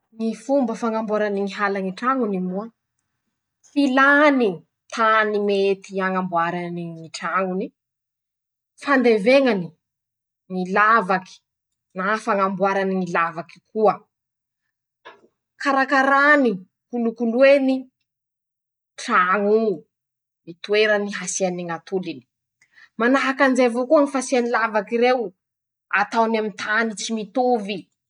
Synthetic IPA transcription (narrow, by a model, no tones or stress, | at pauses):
ŋifumbəfaŋambuaɾaniŋiɦalaŋiʈ͡ʂaŋunimuə | filani | t̪ʰanimet̪iaŋambuaɾaniŋiʈ͡ʂaŋuni | fand̪eveŋani | ŋilavaki̥ | nafaŋambuaɾaniŋilavaki̥kuə | kaɾakaɾani | kulukulweni | ʈ͡ʂaŋu | mit̪ueɾaniɦasianiŋat̪ulini̥ | manaɦakanzevokuəŋifasianilavakiɾew | at̪awnamint̪ʰanit͡simit̪ovi